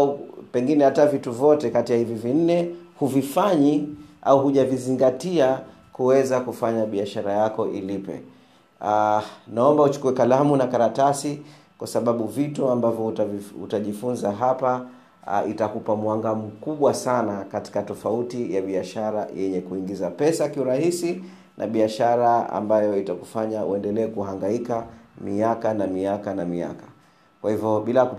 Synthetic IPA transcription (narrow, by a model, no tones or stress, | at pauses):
upɛŋɡinɛhatavituvjɔtɛkatijahivivin̩nɛhuvifaɲiʔauhuʄaviziŋɡatia | kuwɛzakufaɲaɓiaʃaɾajakɔʔḭlipɛ̰ | naɔmbaut͡ʃu̥kuɛkalamunakaɾatasi | kwasaɓaɓuvituambavjɔvṵtaʄifunzaɦapa | ʔitakupamwaŋɡam̩kuɓwasanakati̥katɔfautijaɓiaʃaɾajʔɛɲɛkuiŋɡizapɛsakiuɾahisi | nʔa̰ɓiaʃaɾaa̰mbajɔitakufaɲaṵɛndɛlɛːkuhaŋɡaikamiakanamiakanamia̰kḁ | kwahivjɔɓilaku